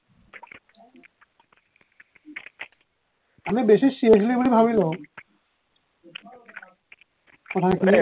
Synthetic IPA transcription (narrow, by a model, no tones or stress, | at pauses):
amibeʃiʃieʃ̬liboɾibʱabilo | kɔtʰajki